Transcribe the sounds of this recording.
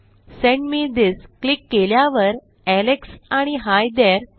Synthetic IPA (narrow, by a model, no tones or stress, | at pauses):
sẽɳɖmiːd̪isklikːeljaʋəɾ | æleksaɽ̃iɦajd̪eɾ